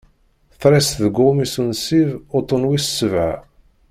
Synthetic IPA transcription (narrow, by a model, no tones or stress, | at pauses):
θɾæsðɡʊmisunsivʊt̪ˤːʊnwissːəvʕa̰